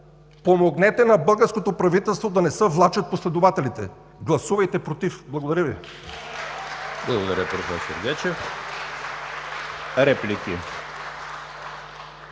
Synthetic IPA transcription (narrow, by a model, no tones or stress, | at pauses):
pomoɡnɛt̪ɛnɐbɤlˠɡəɾskot̪opɾɐvit̪ɛlˠst̪vod̪ɐnɛsəvlˠat͡ʃət̪̚poslɛd̪ovat̪ɛlit̪ɛ | ɡlˠɐsuvɐjt̪ɛpɾot̪ifblˠɐɡod̪ɐɾʲjəvi | blˠɐɡod̪ɐɾʲəpɾofɛɾso̰ɾɡ̪ɛt͡ʃɛf | ɾɛplikʲi